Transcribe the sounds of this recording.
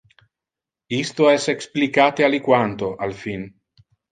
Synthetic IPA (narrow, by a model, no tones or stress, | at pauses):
ist̪oɛseksplikaːt̪ealikwant̪oʔalfin